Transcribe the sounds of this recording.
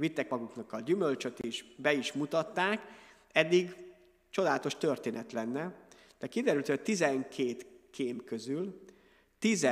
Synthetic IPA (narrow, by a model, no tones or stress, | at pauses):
vit̪ːɛkmɒɡuknɒkːɒlɟymølt͡ʃø̞t̪eːʃbɛiʃmut̪ɒt̪ːaːk | ɛd̪ːiɡ | t͡ʃo̞d̪aːlɒt̪o̞ʃt̪ørt̪eːnʔɛt̪lɛnːɛ | d̪̥ɛkid̪ɛɾylt̪ʰot̪izɛŋkʰeːt̪kʰeːmkø̞zyl | t̪izɛ